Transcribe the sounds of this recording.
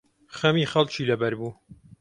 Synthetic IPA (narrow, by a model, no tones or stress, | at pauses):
xɐmiːxɐlˠt͡ʃʰiːlɐbɐɾbuː